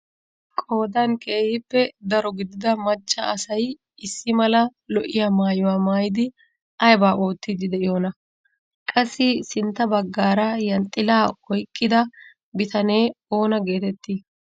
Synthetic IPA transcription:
kʼo̞ːd̪ɐnkʼe̞ːhɪpːɛd̪ɐɾɔɡɪd̪ɪd̪ɐmɐt͡ʃːɐːsɐj | ɪsːɪmɐlɐlɔʔɪjamaːjʊwaːmaːjɪd̪ɪ | ʔɐjbaːʔo̞ːt̪ːɪd̪ɪd̪ɛʔɪjo̞ːnɐ | kʼɐsːɪsɪnt̪ːɐbɐɡːaːɾɐjɐnt̪ʼːɪlaːɔjkʼːɪd̪ɐ | bɪt̪ɐne̞ːo̞ːnɐɡe̞ːt̪ɛt̪ːi

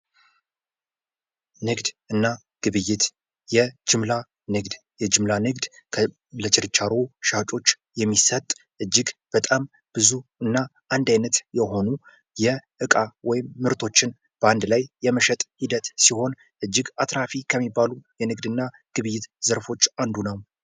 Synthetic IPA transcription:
nɨɡd̪ɨnːa | ɡ̥ɨβɨjːɪt̪ | jɛd͡ʒɨmla | nɨɡd̪ | jɛd͡ʒɪmlanɨɡd̪kʰə | lət͡ʃʰɪɾt͡ʃːaɾoʃat͡ʃʼo̞t͡ʃː | jɛmːisət̪ʼʔɨd͡ʒːɪɡb̥ət̪ʼam | b̥ɨzuɨnːa | and̪ajnət̪jɛho̞nu | jɛʔɨkʼawɔjɪmːɨɾt̪ʰo̞t͡ʃːɪn | b̥əand̪lajːɛməʃɛt̪ʼhid̪ət̪siho̞n | ʔɨd͡ʒːɪɡat̪ɾafikʰəmːibːalujɛnɨɡd̪ɨnːa | ɡ̥ɨβɨjːɪt̪zəɾfo̞t͡ʃːand̪unəw

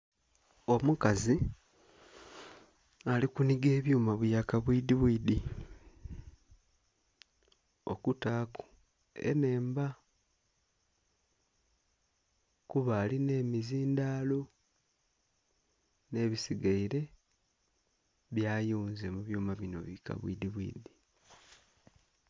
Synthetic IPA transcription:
o̞mukazi | alikuniɡe̞ːβjuːmaβujakaβwiːdiβwidi | o̞̰kutaːko̥ | ḛne̞ːmba | kuβaːline̞ːmiziːndaːlo̞ | ne̞ːβisiɡaiɾe̞ | βjaːjuːnze̞muβjuːmaβino̞̰βika̰βwḭdiβwḭːdi

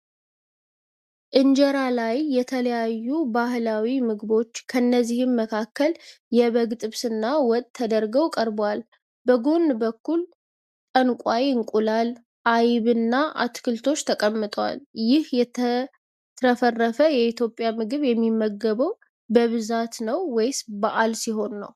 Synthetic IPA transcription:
ʔɨnd͡ʒɛɾalajːɛt̪ʰələjajːubahlawimɨɡɨbo̞t͡ʃːkʰənːəzːihɨmːəkʰakːəl | jɛβəɡt̪ʼɨβsɨnːawɔt̪ʼʰːəd̪əɾɡəwkʼəɾbwal | bəɡo̞nːbəkːul | t̪ʼənkʷʼajɨŋkʼulal | ʔajβɨnːaʔa̰t̪kʰɨlt̪ʰo̞t͡ʃːt̪ʰəkʼəmːɨt̪ʼəwa̰ljɪhjɛt̪ʰə | t̪ʰəfərːəfəjɛit̪jo̞pʼːjamɨɡɨβjɛmːimːəɡːəβəw | bəβɨzat̪nəwːɔjsbaʔalsiɦo̞nːə̰w

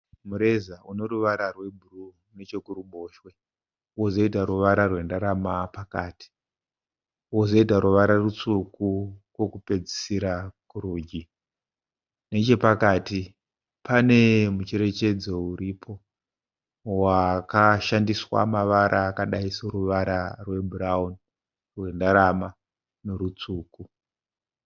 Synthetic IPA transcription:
muɾe̞zauno̞ɾuʋaɾarwe̞bʱuru | ne̞t͡ʃo̞kuɾumbo̞ːʃwe̞ | ozo̞itaɾuʋaɾarwe̞ndaɾamapakaːti̥ | ozo̞itaɾuʋaɾarut͡sukukwo̞kupe̞d͡zisiɾakuruːd͡ʒi | ne̞t͡ʃe̞pakaːti | pane̞mut͡ʃe̞ɾe̞t͡ʃe̞d͡zo̞uɾipʰo̞ | wakaʃandiswa̰maʋaɾʔaːkaɗaisoɾuʋaɾarwe̞bʱuraun | rwe̞ndaɾama | no̞ɾut͡suːku

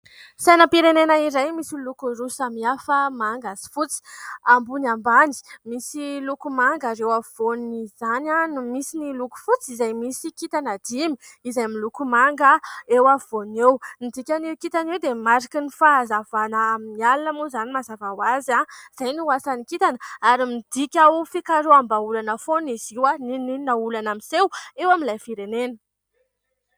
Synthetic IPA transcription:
sajnəpiɾenenaiɾajmisilukuɾusamiafəmaŋɡazi̥fut͡si̥ambunambani̥misilukumaŋɡaɾewavonizananumisiniluku̥fut͡sizajmisikit̪anad̪̥imiizajmilukumaŋɡəewavonewmid̪ikʲanewkit̪anewd̪emaɾikənifaazavanəːminialnamuzanimazavawazaiz̥ajniuwasanikit̪anəaɾimid̪̥ikʲawfikaɾoambaulanəfoniziwanininaulanamisewewamilajfiɾenenə̥

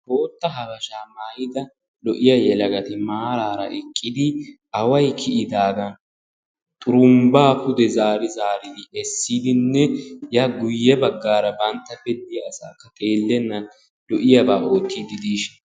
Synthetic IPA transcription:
ho̞ːt̪ːɐɦɐbɐʃaːmaːjɪd̪ɐ | lɔʔɪjɐjɛlɐɡɐt̪ɪmaːɾaːɾɐ̰ʔɛkʼːɪd̪ɪʔɐwɐjkʰɪʔɪd̪aːɡɐn | t̪ʼʊɾʊmbaːhʊd̪ɛzaːɾɪzaːɾɪd̪ɪɛsːiːd̪ɪnːɛjaɡʊjːɛbɐɡːaːɾɐbɐnt̪ːɐbɛd̪ɪjɐːsaːkːɐt̪ʼeːlːɛnːɐn | lɔʔɪjɐbaːʔo̞ːt̪ːiːd̪ɪd̪iːʃɪ̥n

